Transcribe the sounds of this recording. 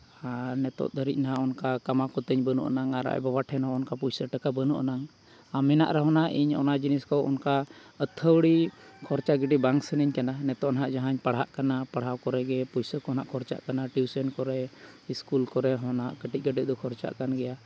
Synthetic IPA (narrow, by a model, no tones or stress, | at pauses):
anɛt̪ɔ̰ʔd̪ʱəɾic̪̚ˀnaɦaʔɔnkakamakɔt̪əɲbənṵʔa̰naŋaɾa̰ʔbabaʈʰɛnɦɔɔnkapujsəʈəkabənuʔanaŋ | amɛna̰ʔɾɛɦɔnaʔiɲɔ̰nad͡ʒiniskɔwɔ̰nkaət̪ʰːəwɽikʰɔɾt͡ʃaɡiɖibaŋsənəɲkananɛt̪ɔʔnaɦaʔd͡ʒaɦaɲpaɽ̤ɦaʔkanapaɽ̤ɦawkɔɾɛɡɛpujsəkɔɔnaʔkʰɔɾt͡ʃa̰ʔkanaʈiwsɛnkɔɾɛiskulkɔɾɛɦɔnaʔkəʈic̚ˀɡəɖɛd̪ɔkʰɔɾt͡ʃa̰ʔkanɡɛja